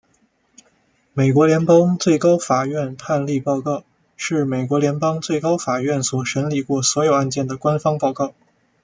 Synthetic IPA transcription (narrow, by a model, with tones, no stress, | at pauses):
me˨˩ɪk̬wɔ˧˥ljɛ˧˥npɑ˥ŋt͡swe˥˩ɪkɑ˥ʊfa˨˩ɥɛ˥˧npʰa˥˧nli˥˧pɑ˥˧ʊkɑ˥˩ʊ | ʂɻ̩˥˩me˨˩ɪkwɔ˧˥ljɛ˧˥npɑ˥ŋt͡swe˥˩ɪkɑ˥ʊfa˨˩ɥɛ˥˩nswɔ˨˩ʂə˧˥nli˨˩kwɔ˥˩swɔ˧˥jo˨˩ʊa˥˧nt͡ɕjɛ˥˩nd̪ə˩kwa˥nfɑ˥ŋpɑ˥˧ʊkɑ˥˩ʊ